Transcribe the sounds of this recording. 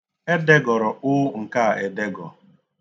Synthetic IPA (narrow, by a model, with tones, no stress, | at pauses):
e˦de˦ɡɔ˨ɾɔ˨ʊ˦ŋ̩˨ka˦˨e˨de˦ɡɔ̰˨